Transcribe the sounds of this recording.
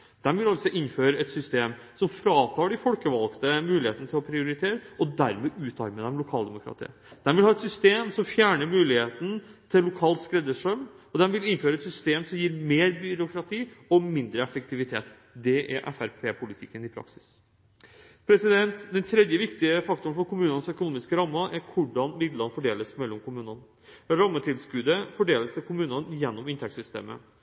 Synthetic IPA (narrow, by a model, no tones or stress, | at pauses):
d̪̥ɛmʋɪlɑlsɔʔɪnːføːɾəɛt̪sʏst̪eːm | sɔmfɾɑːt̪ʰɑːɖɪfɔlkəʋɑlkt̪əmʉːlɪheːt̪ənət̪ʰɪlɔpʰɾɪʊɾɪt̪ʰeːɾəɔd̪æɾmɛʔʉːt̪ɑɾməd̪ɛmlʊkʰɑːld̪ɛmʊkʰɾɑ̰ːt̪ə̰nə | d̪̥ɛnʋɪlhɑːɛt̪sʏst̪eːmsɔmfjæːɳəɾmʉːlɪheːt̪nt̪ʰɪlːʊkʰɑːlt̪skɾɛd̪əʂœm | ɔd̪ɛnʋɪlɪnføːɾəɛt̪sʏst̪eːmsɔmjiːɾmeːɾbʏɾʊkʰɾɑt̪ʰiːɔmɪnd̪ɾəɛfəkt̪ɪʋɪt̪ʰeːt̪ | d̪ɛʔæ̰ɾʔɛ̰fæɾpʰeːpʰʊlɪt̪ʰɪkːənɪpʰɾɑ̰ksɪ̥s | pʰɾɛsɪd̪ɛnt̪d̪ɛnt̪ʰɾɛd̪jəʋɪkt̪ɪəfɑk̚t̪ʊɳfɔɾkʰʊmʉːnənəsœkʊnuːmɪskəɾɑmːəʔæɾkʰʊɖɑnmɪd̪lɑnəfɔɖeːləsmɛlːɔmkʰʊmʉːnən | ɾɑmːət̪ʰɪlskʉːd̪əfɔɖeːləst̪ʰɪlkʰʊmʉːnənjɛnːɔmɪnt̪ʰɛksʏst̪ḛːmə̰